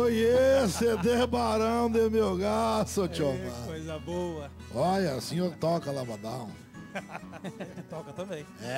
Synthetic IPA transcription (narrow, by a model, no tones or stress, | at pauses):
fojesed̪ebaɾɐ̃w̃d̪emewɡasot͡ʃiomaojzɐboɐ | ɔʎɐsĩɲoɾt̪ɔkɐlabad̪ɐ̃w̃ | ɔkɐt̪ɐ̃mbẽj̃ɛ